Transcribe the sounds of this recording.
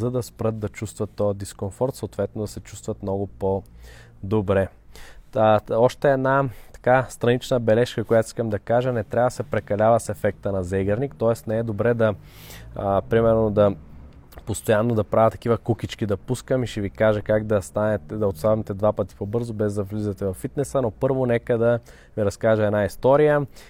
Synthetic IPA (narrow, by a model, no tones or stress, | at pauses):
zɐd̪ɐspɾɤt̪̚d̪ɐt͡ʃust̪vɐt̪ːɔjəd̪iskonfɔɾt̪soot̪vɛt̪nod̪ɐsɛt͡ʃu̥st̪vɐt̪mnɔɡʊpo | d̪obɾɛ | ɔʃt̪ɛːd̪nat̪ɐ̥kast̪ɾɐnit͡ʃnəbɛlɛʃkəkojat̪i̥skəmd̪ɐkaʒənɛt̪ɾʲavɐd̪ɐsɛpɾɛkɐlʲavəsɛfɛk̚t̪ənɐzɛɡɐɾnikt̪ɔɛsnɛɛd̪obɾɛd̪ɐ | pɾimɛɾnod̪ɐ | post̪ojanːod̪ɐpɾavʲət̪ɐ̥k̟ivəkukit͡ʃk̟id̪ɐpuskəmiʃɛvikaʒɛkaɡd̪ɐst̪anɛt̪ɛd̪ɐot̪st̪avmɛt̪ɛd̪vapət̪i̥pobɤɾzobɛzd̪ɐvlizət̪ɛvɐfːit̪nɛsənopɤɾvonɛkəd̪ɐ | viɾɐskaʒəɛnaist̪ɔɾijə